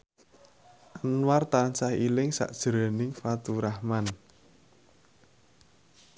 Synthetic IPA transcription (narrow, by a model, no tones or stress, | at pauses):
ʔanwart̪ant͡ʃahilɪŋsa̰ʔd̥ʒ̥əɾɛ̤nɪŋfat̪uɾahman